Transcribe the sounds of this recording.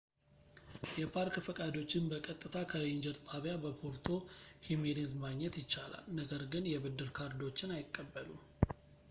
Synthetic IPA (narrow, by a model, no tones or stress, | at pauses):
jɛpʰaɾkfəkʼad̪o̞t͡ʃːɪnbəkʼət̪ʼːɨt̪ʰakʰəleɲd͡ʒɛɾt̪ʼaβjabəpʰoɾt̪ʰo̞himelezmaɡɲːɛt̪jɪt͡ʃːala̰lnəɡəɾɡɨnjɛbɨd̪ːɨɾkʰaɾd̪o̞t͡ʃːɪnajɪkʼːəbːəlṵ